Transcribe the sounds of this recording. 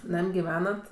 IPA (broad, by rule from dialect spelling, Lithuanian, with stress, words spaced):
ˈnɐmʲ ɡʲɪˈʋʲæːnɐt